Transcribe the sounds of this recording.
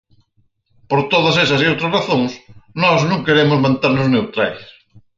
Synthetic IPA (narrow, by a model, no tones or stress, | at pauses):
poɾt̪oðɐsesɐsiowt̪ɾɐsraθõŋsnɔznõŋkeɾemʊzmãnt̪eɾnʊznewt̪ɾajs